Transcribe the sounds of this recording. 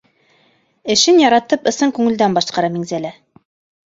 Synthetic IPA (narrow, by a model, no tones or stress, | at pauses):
ɘ̆ʃɘnjɑɾɑt̪ɤpɤ̆sɤŋkʉŋɘ̆ld̪ænbɑʃqɑɾɑmiŋzælæ